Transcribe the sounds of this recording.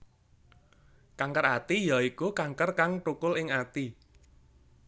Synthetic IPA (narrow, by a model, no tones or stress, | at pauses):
kaŋkərat̪ijaikukaŋkərkaŋʈukʊlɪŋat̪i